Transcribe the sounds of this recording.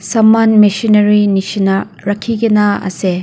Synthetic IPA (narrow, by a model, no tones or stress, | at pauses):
sɐmːanmisinɐɾinisinɐ | ɾɐkʰːiɡɐnɐɐ̰se